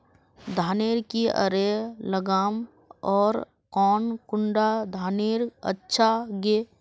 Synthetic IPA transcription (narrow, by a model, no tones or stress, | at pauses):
d̪ʱaːneːɾkiə̰ɾeləɡaːm | ɔːɾ | kɔːnkʊɳɖad̪ʱaːneːɾə̰tːʃʰaɡeː